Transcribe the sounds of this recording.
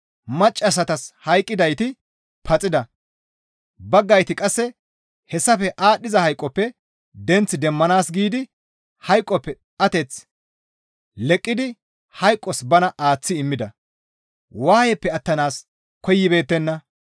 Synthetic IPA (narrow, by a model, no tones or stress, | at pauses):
mɐt͡ʃʼːɐs̬ɐt̪ɐshɐjkʼːɪd̪ɐjt̪ɪ | pʰɐt͡sʼɪd̪ɐ | bɐɡːɐjt̪ɪkʼɐsːɛ | hɛsːɐfɛʔaːɗɪzɐhɐjkʼːɔpːɛ | d̪ɛnt͡sːɪd̪ɛmːɐnaːsɡiːd̪ɪ | hɐjkʼːɔpːɛ | ɐt̪ɛt͡s | lɛkʼːɪd̪ɪ | hɐjkʼːɔsbɐnɐʔaːt͡sːɪɪmːɪd̪ɐ | waːjɛpːɛɐt̪ːɐnaːs | kɔjːɪbe̞ːt̪ːɛnːɐ